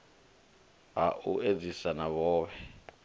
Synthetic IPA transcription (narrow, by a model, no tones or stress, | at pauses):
ɦaʔuʔed͡zisanaβɔːβɛ